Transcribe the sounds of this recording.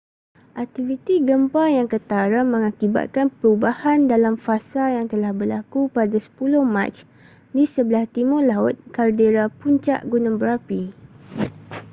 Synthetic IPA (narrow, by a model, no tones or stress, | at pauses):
ʔak̚t̪ivit̪iɡəmpajaŋkət̪aɾamə̃ŋakiba̰t̪̚kanpəɾubahandalamfasajaŋt̪əlahbəlakupadasə̥pulʊhma̰t͡ʃ | disəbəlaht̪imɔlaʊt̪̚kardeɾapuɲt͡ʃa̰ʔɡunə̃ŋbəɾapi